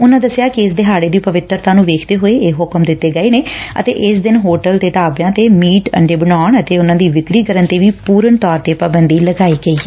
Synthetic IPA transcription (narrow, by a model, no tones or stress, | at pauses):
ʊnãːd̪əsːɪjaːkeɪsd̪eːɦaːɽeːd̪iːpəʋɪt̪ːəɾt̪ãːnũːʋeːkʰt̪eːɦoːeːeːɦʊkəmd̪ɪt̪ːeːɡəeːneːə̰t̪ḛːʔɪsd̪ɪnɦoːʈəlt̪eːʈaːbjãːt̪eːmiːʈə̰ɳɖeːbənaːɳət̪eːʊnãːd̪iːʋɪkɾiːkəɾənt̪eːʋiːpuːɾənt̪ɔːɾt̪eːpaːbənd̪iːləɡaːiːɡəiːɦɛː